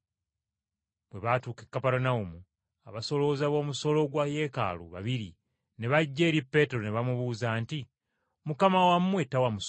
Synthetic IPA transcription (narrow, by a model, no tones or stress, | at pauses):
βwe̞βatuːkekːapaɾonaumu | aβaso̞loːzaβo̞ːmuso̞loɡwaje̞ka̰lṵβa̰βiɾḭ | ne̞βaɟːe̞ːɾipːe̞ːteɾone̞βamuβuːzanti | mukamawammwe̞tawamus